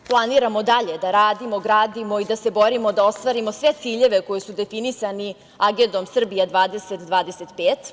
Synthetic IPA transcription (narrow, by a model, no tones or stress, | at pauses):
plˠaniɾamo̞d̪aʎe̞d̪aɾaːd̪imo̞ɡɾaːd̪imo̞id̪ase̞bo̞ɾimo̞d̪ao̞st̪ʋaɾimosʋe̞t̪siːʎe̞ʋe̞ko̞jisud̪e̞finisani | aɡend̪o̞msr̩bijad̪ʋaːd̪e̞set̪d̪ʋaːd̪ese̞t̪peːt̪